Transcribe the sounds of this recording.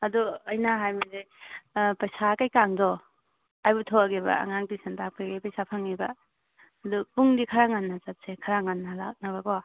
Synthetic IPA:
ɐduɐjnaɦajmize | pɐjsakajkaŋdɔ | ajbutʰoaɡeba̰a̰ŋaŋtisantak̚paɡejpajsapʰaŋibɐː | dupuŋdikʰaɾaŋanːat͡ʃat̚sekʰaɾaŋanːala̰k̚naβɐkɔwa

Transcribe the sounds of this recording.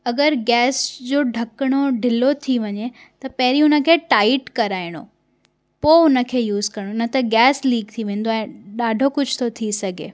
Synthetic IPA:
ɐɡəɾɡɛːsd͡ʑoːɖʱɐkɽ̃oɖʱɪlot̪ʰiʋɐɲe | t̪ɐpɐɦɪɾiɦʊnə̆kʰeːʈaːɪʈkɐɾaːɪɽ̃o̰ | poʊnə̆kʰeːjuːzkɐɾɽ̃onɐt̪ɐɡɛːsliːk̚t̪ʰiʋẽːn̆d̪oɛ̃ːɗaːɖʱokʊd͡ʑʱt̪ʰot̪ʰisɐɡʱḛː

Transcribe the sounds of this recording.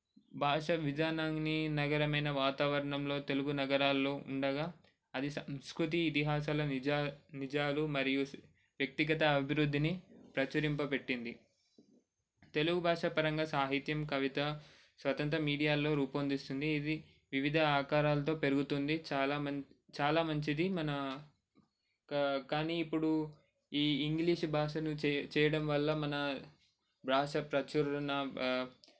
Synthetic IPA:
bʱaːʂɐʋid͡ʒ̪aːnaŋninɐɡɐɾɐmɐjnɐʋaːt̪aːʋɐɾɐɳɐmlo̞ːt̪e̞luɡunɐɡɐɾaːlːo̞ːʔṵɳɖɐɡaː | ɐd̪isɐmskɾut̪̬iːt̪iɦaːʃ̬aːlɐnid͡ʒaːlumɐɾiju | ʋjɐk̚t̪iɡɐt̪ɐːbʱiɾud̪ʱːinipɾɐt͡ʃɐɾimpɐpe̞ʈːind̪i | t̪e̞luɡubʱaːʂɐpɐɾɐŋɡɐsaːɦit̪jɐmkɐʋit̪ɐ | sʋɐt̪ɐnt̪ɾɐmiːɽijaːlo̞ːɾuːpond̪ist̪und̪iːd̪i | ʋiʋid̪ʱɐaːkaːɾaːlɐt̪o̞ːpe̞ɾuɡut̪und̪it͡ʃaːlaːɐt͡ʃaːlaːmɐɲt͡ʃid̪imɐnɐ | kkaːniːpːuɽu | iːiŋɡliːʂbʱaːʂɐnut͡ʃɛːjɐɽɐmʋɐlːɐmɐnɐ | bʱaːʂɐpɾɐt͡ʃuɾunɐ

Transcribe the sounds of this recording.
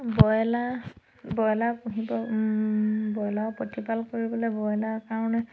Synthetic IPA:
bɔjla | bɔjlapũɦibɔ | bɔjlaɔpotipalkoɹibɔlɔbɔjɔlaɹkaɹɔnɛ

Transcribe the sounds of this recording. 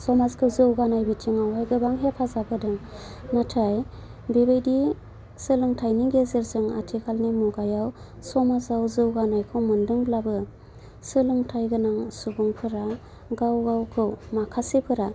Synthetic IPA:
sɔmazkʰɯzɯwɡanajbitʰiŋawajɡɯbaŋɦepʰazabɯdɯŋ | natʰaj | bebejdi | sɯlɯŋtʰajniɡezeɾzɯŋa̰tʰikʰalnimuɡajaw | sɔmazawzɯwɡanajkʰɯwmɯndɯŋblabɯ | sɯlɯŋtʰajɡɯnaŋsubuŋpʰɯɾa | ɡawɡawkʰɯwmakʰasipʰɯɾa

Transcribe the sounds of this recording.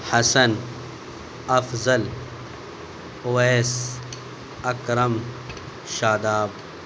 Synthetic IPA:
hɐsɐn | ɐfzɐl | oːes | ɐkɾɐm | ʃaːd̪aːb

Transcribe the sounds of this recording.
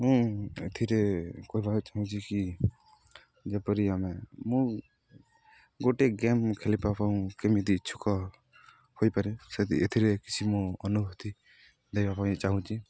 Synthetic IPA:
mũet̪ʰiɾekoibʱat͡ʃaɦũt͡ʃʰiki | d͡ʒepɔɾiamemũ | ɡoʈeɡemkʰelipapaũkemid̪iːt͡ʃʰu̥kɔ | hojpaɾiset̪iet̪ʰiɾeki̥t͡ʃʰimũɔnubʱut̪i | d̪ejpapãt͡ʃaɦũt͡ʃʰi

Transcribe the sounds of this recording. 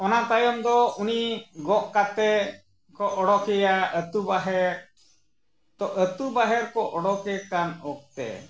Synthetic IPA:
ɔnat̪ajɔmd̪ɔuniɡɔʔkat̪ɛ | kɔʔɔɽɔkɛjaət̪ubaɦɛɾ | t̪ɔʔət̪ubaɦɛɾkɔʔɔɽɔkɛkanɔk̚t̪ɛ̰

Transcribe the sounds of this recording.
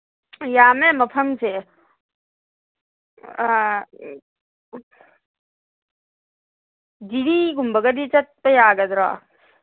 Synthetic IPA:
jaːmemɐpʰɐmt͡ʃʰe | d͡ʒiɽiɡumbɐɡɐd̪it͡ʃɐt̪̚pɐjaːɡɐd̪ɾa̰ː

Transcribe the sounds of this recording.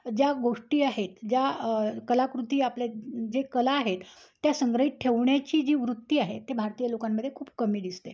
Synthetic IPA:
d͡ʑjaɡoʂʈiːaɦet̪d͡ʑjakəlakɾut̪iːapled͡ʑekəlaːɦet̪ː | jasəŋɡɾəɦit̪̚ʈʰeʋɳjat͡ɕiːd͡ʑiːʋɾut̪ːiːaɦet̪ːebʱaɾt̪ijəlokamːəd̪ʱːjekʰuːp̚kəmiːd̪ist̪e

